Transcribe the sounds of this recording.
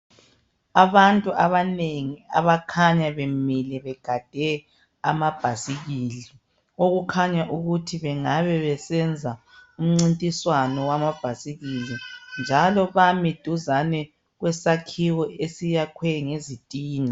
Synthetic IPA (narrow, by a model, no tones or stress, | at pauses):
aβantʼuaβaneŋia̰βakʰaɲaβemilɛβɛɡ̥ʱad̥ʱɛ | amab̥ʱasiɣili | ɣoɣukʰaɲaʔuɣutʰiβɛŋaβɛβɛsɛnd͡zʱa | um̩ŋ͡ǀintʼiswanɔwamab̥ʱasiɣilind͡ʒʱalɔβamid̥ʱuzanɛ | ɣwɛsakʰiwɔesijakʰwɛŋezitʼiːna